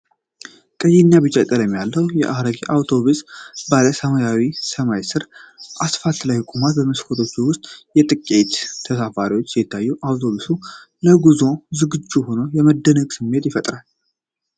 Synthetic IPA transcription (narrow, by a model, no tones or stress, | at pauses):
kʼəjiɲːabɨt͡ʃʼɛt̪ʼːəɾjɛmːjalːəwjɛ̰ʔaɾəɡiʔawt̪ʰo̞βusbaləsəmajawisəmajsɨɾʔasfalt̪lajkʼomat̪bəməskʰot̪ʰot͡ʃːuwʊst̪ʼjɛt̪ʼɨkʼːet̪t̪ʰːəsafaɾiwo̞t͡ʃːɛɪt̪ʰːajːuʔawt̪ʰo̞βusu | ləɡuzo̞zɨɡɨd͡ʒːuho̞nojɛməd̪ːənəɡʼsɨmːe̞t̪jɪfət̪ʼɾal